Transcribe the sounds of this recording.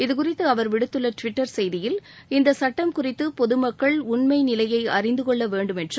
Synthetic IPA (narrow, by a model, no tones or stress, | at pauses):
ɪðɯkʊrɪt̪ːɯɐʋɐɾʋɪɽɯt̪ːɯlːɐʈʋɪʈːɐɾsɛjðɪjɪlɪnd̪ɐsɐʈːɐmkʊrɪt̪ːɯpɔðɯmɐkːɐɭʊɳmɐɪnɪlɐjɐɪɐrɪnd̪ɯkɔɭːɐʋeːɳɖɯmɛndrɯ